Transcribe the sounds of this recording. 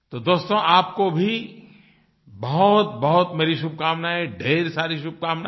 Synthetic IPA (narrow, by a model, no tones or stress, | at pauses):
t̪od̪oːst̪õʔaːp̚kobʱi | bɐɦʊt̪bɐɦʊt̪meːɾiʃʊb̚ʱkaːmnaɦɛɖʱeːɾsaːɾiʃʊb̚kaːmna